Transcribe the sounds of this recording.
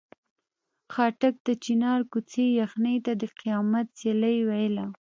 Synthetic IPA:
xɑʈak̚d̪ət͡ʃinɑɾkut͡sejaxnəjt̪ad̪əqijɑmat̪̚seləjwajəla

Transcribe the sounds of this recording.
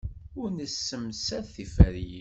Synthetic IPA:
ʊɾnəsːəmsæθifæɾ

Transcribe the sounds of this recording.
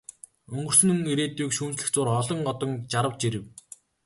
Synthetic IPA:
ɵŋɡɵ̆r̥sɵ̆nɵŋiɾeːt̪uːkʃuːnt͡sɮɘ̆xt͡sʊːrχɔɮɞ̆ŋɢɔt̪ɞ̆ŋt͡ɕaɾə̆wt͡ɕiɾɘ̆w

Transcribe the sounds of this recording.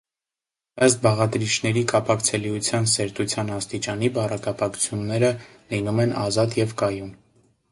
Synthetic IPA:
əst̪̚bɑʁɑt̪ɾit͡ʃʰnɛɾikɑpɑkt͡sʰɛliut͡sʰjɑnsɛɾt̪ut͡sʰjɑnɑst̪it͡ʃɑnibɑrɑkɑpɑkʰt͡sʰjunːɛɾə | linumɛnɑzɑt̪jɛvkɑjun

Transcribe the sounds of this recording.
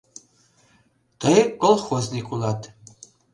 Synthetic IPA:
t̪ɤjkolˠχoznikʰulɑt̪

